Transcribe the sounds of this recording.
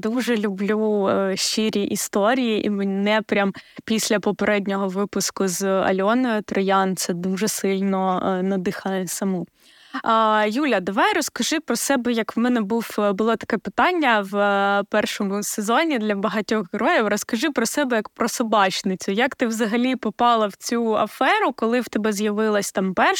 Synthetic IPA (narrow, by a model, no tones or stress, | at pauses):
d̪uʒɛlʲʊblʲuʃiɾʲiʔist̪ɔɾʲijiʔimɪnɛpɾʲampʲisʲlʲɐpɔpeɾʔɛdʲnʲɔɦɔʋɪpʊskʊzɐ̰lʲɔnɔɪt̪ɾɔjɑnt̪sɛd̪uʒɛsɪlʲnɔnɐd̪ɪxɐnsɐmu | julʲɐd̪ɐʋɑjɾɔskɐʒɪpɾɔsɛbɛjɐkmɛnɛbuwbʊlˠɔt̪ɐ̥kɛpɪt̪ɑnʲːɐwpɛrʃɔmʊsezɔnʲid̪lʲɐbɐɦɐtʲɔɣɦeɾɔjiwrɔskɐʒɪpɾɔsɛbɛjɐkpɾɔsʊbɑt͡ʃnɪt͡sʲʊjɐkt̪ɪwzɐɦɐlʲipɔpɑlˠɐwt͡sʲuɐ̰fɛɾʊkɔlˠɪwt̪ɛbɛzjɐʋɪlˠɐsʲt̪ɑmpɛrʃ